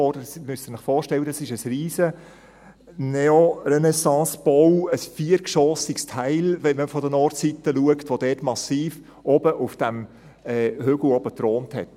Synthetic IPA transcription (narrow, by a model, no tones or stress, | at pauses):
ɔɾdəsmystənɪχfɔːɾʃtɛləɑsɪʃəsriːzə | nɛorɛnɛsɑ̃ːsb̥owəsfiːəɾkʃɔːsikstʰæɪlʋɛnməfɔdənɔːɾtsitəluəktʋodɛːtmɑsiːf | ʔɔbəʔufd̥æm | ɛːhøɡl̩ɔb̥ətɾoːnthɛ̰t